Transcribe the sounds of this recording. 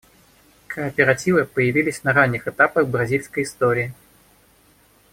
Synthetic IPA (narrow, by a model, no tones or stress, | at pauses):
kʰɐɐpʲɛɾat͡sʲivɨpɐjavʲilʲisʲnɐɾanʲːixɛt̪apɐxbɾazʲilʲskɐjist̪ɔɾʲiji